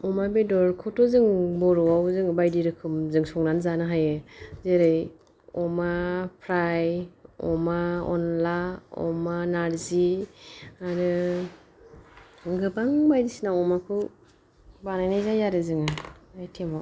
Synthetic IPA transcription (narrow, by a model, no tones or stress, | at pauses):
ɔmabedɔɾkʰɔtɔzɯŋbɔɾɔawzɯŋbajdiɾɯkʰɯmzɯŋsɔŋnanzanɯɦajɯzeɾɯj | ɔmapʰɾajɔ̰maɔ̰nlaɔ̰manaɾzi | aɾɯ | ɡɯbaŋbajdisinaɔmakʰɯ | banajnajzajaɾɯzɯŋɯajtʰema